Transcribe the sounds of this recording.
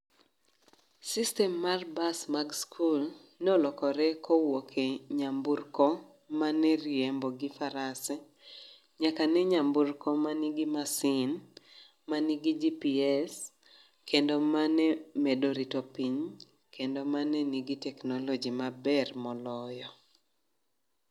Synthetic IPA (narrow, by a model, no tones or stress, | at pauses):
sistɛmːarbasmaɡskʰul | nolɔkɔɾɛkɔwokʰeɲamburkɔ | manɛrjɛmbɔɡifaɾasɛ | ɲakanɛɲamburkɔmaniɡimasin | maniɡid͡ʒipiɛs | kendomanɛmedoɾitopiɲ | kʰendomanɛniɡitɛknɔlɔd͡ʒimabɛrmɔlɔjɔ